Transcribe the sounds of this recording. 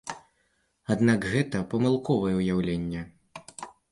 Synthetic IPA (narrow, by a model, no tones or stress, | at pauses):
ad̪nakɣɛt̪ɐpɐmɨlˠkɔvɐjɛwjawlʲenʲːɛ